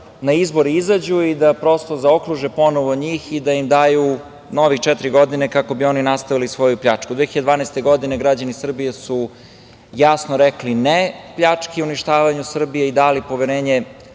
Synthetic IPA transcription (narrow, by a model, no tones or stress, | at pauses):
naizbo̞ɾiizad͡ʑuid̪apɾo̞st̪ozao̞kɾuʒepo̞noʋoɲiːxid̪aimd̪aːju | no̞ʋixt͡ʃɛt̪ɾiɡo̞d̪inekako̞bio̞ninast̪aʋilisʋo̞jupʎat͡ʂkud̪ʋexidd̪vaːnɛst̪eɡo̞d̪ine̞ɡɾad͡ʑanisr̩bijesu | jasnoɾɛklinepʎat͡ʂkiuniʃt̪aːʋaɲusr̩bijeid̪aːlipo̞ʋeɾeːɲe